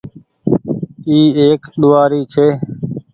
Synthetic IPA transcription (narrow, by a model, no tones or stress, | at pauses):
iːeːkɗ̪ʊʋaːɾiːt͡ʃʰeː